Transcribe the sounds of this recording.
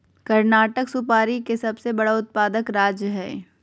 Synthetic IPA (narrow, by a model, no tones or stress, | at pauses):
kɐɾnaːʈəksʊpaːɾikesɐbsebɐɽaʊt̪̚paːd̪əkɾaːd͡ʒjəɦɛː